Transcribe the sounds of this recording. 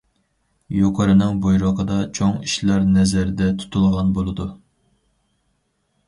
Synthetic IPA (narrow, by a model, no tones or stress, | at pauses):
joqʰɑɾɨnɨŋbojɾɑqʰəd̪ɑt͡ʃʰoŋiʃlˠɑɾnɛzæɾd̪ɛt̪ʰu̥t̪ʰulˠʁɑnbolˠɨd̪u